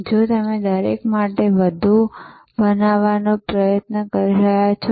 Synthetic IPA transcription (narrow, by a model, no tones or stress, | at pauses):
d͡ʒot̪əmed̪əɾḛkmaʈeʋəd̪ʱu | bənaʋanopɾəjət̪nəkəɾiɾəjat͡ʃʰo